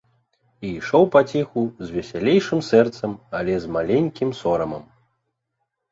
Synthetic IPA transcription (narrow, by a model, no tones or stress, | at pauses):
iːʂɔwpat͡sʲɛxuzʲvʲɛsʲalʲejʂɨmsɛrt̪sɐmalʲɛzmalʲenʲkʲimsɔɾɐmɐm